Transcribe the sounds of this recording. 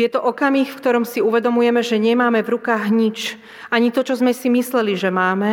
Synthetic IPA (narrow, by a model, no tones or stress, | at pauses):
ɛt̪ɔʔɔkamiːxfkt̪ɔɾɔmsiuʋɛd̪ɔmujɛmɛʒɛɲɛmaːmɛvɾukaːɣɲit͡ʃ | aɲit̪ɔt͡ʃɔzmɛsimislɛliʒɛmaːmɛ